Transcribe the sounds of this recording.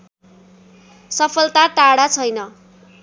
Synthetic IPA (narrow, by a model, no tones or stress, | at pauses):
sʌpʰʌlt̪aʈaɽat͡sʰʌjnʌ